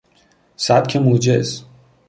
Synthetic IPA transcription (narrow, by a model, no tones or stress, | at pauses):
sæb̪̥kʰemuːd͡ʒez